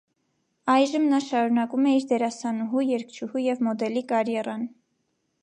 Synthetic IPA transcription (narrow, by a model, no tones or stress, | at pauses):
ɑjʒəmnɑʃɑɾunɑkumɛiɾd̪ɛɾɑsɑnuɦujɛɾkʰt͡ʃʰuhujɛvmɔd̪ɛlikɑɾjɛrɑn